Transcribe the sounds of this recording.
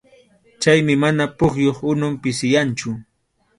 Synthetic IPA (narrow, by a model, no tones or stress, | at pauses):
t͡ʃajmɪmanapʊχjoχʊnʊmpɪsɪjant͡ʃʊ